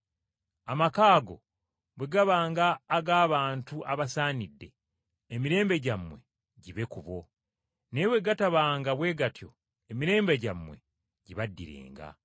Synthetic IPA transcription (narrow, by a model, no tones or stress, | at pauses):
amakaːɡo̞̰ | βweɡaβaːŋɡaːɡaːβaːntuʔaβasaːnidːe̞ː | miɾe̞ːmbe̞ɟamːwe̞̰ | ɟiβe̞kuβo̞ | neβwe̞ɡataβaːŋɡaβwe̞ːɡatjo̞̰ | emiɾe̞ːmbe̞ɟamːwe̞̰ | ɟiβadːḭɾḛːŋɡa̰